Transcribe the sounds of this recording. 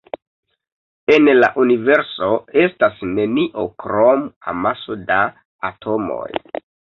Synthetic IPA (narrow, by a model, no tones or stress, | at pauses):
e̞nlaʔunive̞ɾso̞e̞stasne̞niʔo̞kɾoma̰masodaː | tʰo̞mo̞̰j